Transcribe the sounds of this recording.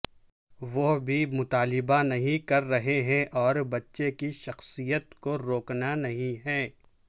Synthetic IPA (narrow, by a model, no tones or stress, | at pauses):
ʋobʱimʊt̪aːlɪbanɐɦĩkɐɾːɐɦeɦɛ̃ʔɔːɾbɐtːʃekiʃɐxsijət̪koɾoːknanɐɦĩɦɛ̃ː